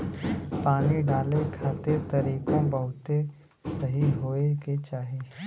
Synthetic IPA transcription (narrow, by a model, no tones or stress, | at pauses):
paːniɖaːlekʰaːt̪et̪ɐɾiːkõbəɦʊt̪e | sɐɦiɦoːeɡet͡ʃaːɦeː